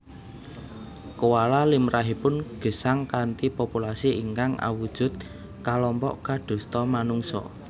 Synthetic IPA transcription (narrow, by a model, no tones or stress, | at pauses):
kowalalimɾʔaɦipʊnɡ̥ə̤saŋkant̪ipopulasiiŋkaŋa̰wud̥ʒ̥ʊ̤t̪̚ | kalɔmpɔ̰ʔkaɖ̪̥o̤st̪ɔmanuŋsɔ̰